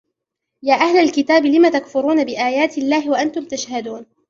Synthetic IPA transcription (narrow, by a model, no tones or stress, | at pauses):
jaːʔahlalkɪt̪aːbɪlɪmat̪akfʊɾuːnabɪʔaːjaːt̪ɪlːaːhɪwaʔant̪ʊmt̪aʃhad̪uːn